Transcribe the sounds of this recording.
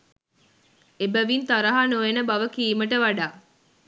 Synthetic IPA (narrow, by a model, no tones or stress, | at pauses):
ebæʋint̪aɾɐɦanoenəbɐʋəkiːməʈəʋaɖaː